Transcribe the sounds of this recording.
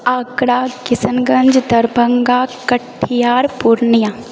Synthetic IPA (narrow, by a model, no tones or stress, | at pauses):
aːkɽaːkɪsənɡɐ̃ɲd͡ʒd̪ɐɾbʱəŋɡaːkəʈʰːijaːɾpuɾnija